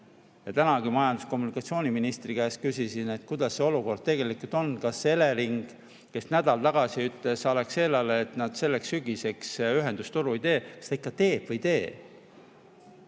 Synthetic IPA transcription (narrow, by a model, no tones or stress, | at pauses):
jɑt̪ænɑɡimɑjɑnd̪̥usko̞mːunikːˑɑt̪sio̞ːnʲiminist̪rikæeskysisine̞t̪kud̪̥ɑsːeo̞luko̞rd̪̥̚t̪e̞ɡ̥e̞likult̪ˑo̞nkɑsːeleɾiŋɡ̥ | ke̞snæd̪̥ɑlt̪ɑɡ̥ɑsiyt̪le̞sɑlekselːɑleːt̪nɑd̪̥se̞lːeksyɡ̥ise̞ksyɦe̞nd̪ust̪uɾuid̪e̞ːkɑ̥st̪ɑikːˑɑt̪e̞ːb̥vɤjt̪e̞ː